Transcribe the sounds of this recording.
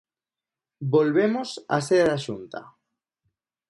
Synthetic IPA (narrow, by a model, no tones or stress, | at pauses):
bolβemosa̰seɾaɾaʃunt̪a̰